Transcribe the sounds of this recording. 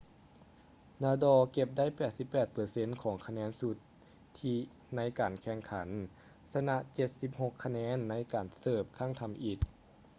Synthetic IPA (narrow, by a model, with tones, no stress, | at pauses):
naː˧dɔː˧ke˧˩p̚da˥˩˨jpɛː˨˩t̪̚si˧˦pːɛː˨˩t̪̚pɤː˨˩se˧˥˨nkʰɔː˩˦ŋkʰa˧nɛː˧˥nsu˧˦t̪ʰː | iː˧ | na˧˦˥jkaː˨˩nkʰɛ˧˩ŋkʰa˩˦n | sa˧na˧ʔt͡ɕe˧t̪̚si˧p̚ho˧˩kʰːa˧nɛː˧˥nːa˧˥˨jkaː˨˩nsɤː˧˩p̚kʰa˧˥˩ŋt̪ʰa˧˥mʔi˧˩t̪̚